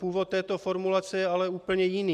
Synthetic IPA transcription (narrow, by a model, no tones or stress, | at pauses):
puːvɔt̪ːɛːt̪ɔfɔɾmulat͡sɛjɛalɛuːpl̩ɲɛjiniː